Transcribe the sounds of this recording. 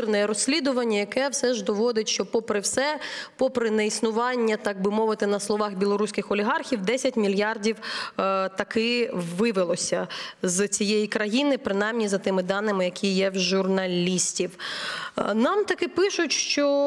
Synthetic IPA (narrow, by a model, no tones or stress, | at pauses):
rnɛɛɾɔsʲlʲid̪ʊʋɐnʲːɐjɐkɛwsɛʒd̪ɔʋɔd̪ɪtʲʃt͡ʃɔpɔpɾɪwsɛpɔpɾɪnɛisnʊʋɑnʲːɐt̪ɑɡ̚bɪmɔʋɪt̪ɪnɐslˠɔʋɑxbʲilˠɔɾusʲkɪxɔlʲiɦɑrxʲiwd̪ɛsʲɐtʲmʲilʲjɑrdʲiw | t̪ɐkɪʋɪʋɪlˠɔsʲɐzt͡sʲijejikɾɐjinɪpɾɪnɑjmnʲizɐt̪ɪmɪd̪ɑnːɪmɪjɐkʲʰijɛwʒʊrnɐlʲisʲtʲiw | nɑmt̪ɐkɪpɪʃʊtʲʃt͡ʃɔ